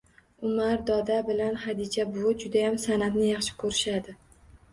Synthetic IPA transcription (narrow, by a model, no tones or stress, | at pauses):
ʊmaɾd̪ɒd̪abɪlanhad̪id͡ʒabʊd͡ʒʊd̪ajamsanat̪nɪjɑχʃɪ̥kʰɵɾɪʃad̪ɪ